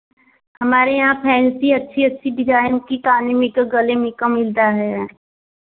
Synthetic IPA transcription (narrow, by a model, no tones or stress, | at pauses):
hɐmaːɾejɐɦãpʰɛːnsiɐtːʃʰiɐtːʃʰibɪd͡ʒaːjəkik̪aːnĩmẽkaɡɐlẽmẽkamɪld̪aɦɛː